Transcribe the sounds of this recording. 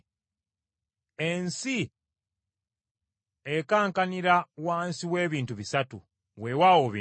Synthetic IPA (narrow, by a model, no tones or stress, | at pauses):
ensi | ekaːŋkaniɾawaːnsiwe̞ːβiːntuβisatṵ | we̞wawoβḭ